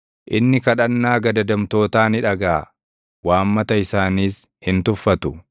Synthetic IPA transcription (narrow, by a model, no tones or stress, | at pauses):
ʔɪnːɪkɐᶑɐnːaːɡɐd̪ɐd̪ɐmt̪o̞ːt̪aːnɪᶑɐɡaː | waːmːɐt̪ɐɪsaːniːs | hɪnt̪ʊfːɐt̪ʊ